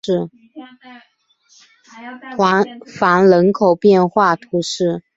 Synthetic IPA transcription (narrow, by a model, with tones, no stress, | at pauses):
wa˧˥nfa˧˥nlə˧˥nkʰo˨˩ʊpjɛ˥˧nxwa˥˩t̪ʰu˧˥ʂɻ̩˥˩